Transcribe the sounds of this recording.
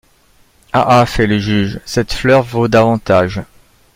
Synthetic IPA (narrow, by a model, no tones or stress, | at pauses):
aʔafɛləʒyʒsɛt̪flœʁvod̪avɑ̃t̪aʒ